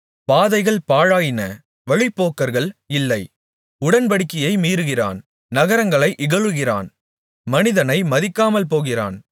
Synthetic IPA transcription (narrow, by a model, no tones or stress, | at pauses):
paːðɐɪɣɐɭpaːɻaːjɪnɐ | ʋɐɻɪpːoːkːɐɾɣɐɭɪlːɐɪ | ʊɽɐnpɐɽɪkːɪjɐɪmiːɾɯɣɪra̰ːn | nɐɣɐɾɐŋɡɐɭɐɪʔɪɣɐɻɯɣɪra̰ːn | mɐnɪðɐnɐɪmɐðɪkːaːmɐlpoːɣɪra̰ːn